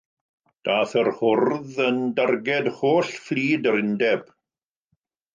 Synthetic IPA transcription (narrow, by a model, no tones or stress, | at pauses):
d̥aːθərhʊrðəndarɡɛdhoːɬfliːdəɾɪndɛb̥